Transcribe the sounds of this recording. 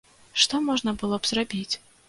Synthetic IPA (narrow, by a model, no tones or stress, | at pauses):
ʂt̪ɔmɔʐnɐbɨlˠɔbz̥rabʲit͡sʲ